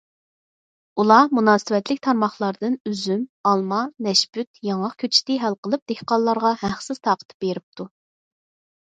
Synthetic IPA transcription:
ulˠɑmunɑːsɨwɛt̪lɪk̚ʲt̪ʰɑɾmɑχlˠɑɾd̪ɨnyzymɑlˠmɑnɛʃbyt̪jɑŋɑqkʲʰøt͡ʃʰi̥t̪ɪɦælqʰəlˠɨp̚d̪̥ehqɑlˠːɑɾʁɑhæχsɨz̥t̪ʰɑːqʰət̪ʰɨ̥p̚beɾɪp̚t̪ʰu

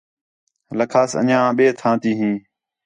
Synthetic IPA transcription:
ləkʰaːsə̰ɲãːɓeːt̪ʰãːt̪iːɦĩː

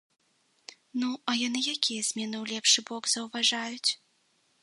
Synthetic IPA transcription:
nuɐjanɨjakʲijɐzʲmʲɛnɨwlʲɛpʂɨbɔɡzɐwvaʐajut͡sʲ

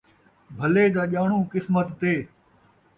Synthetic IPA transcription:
bʱɐleːd̪aːʄaːɳ̃ũːkɪsmət̪ːeː

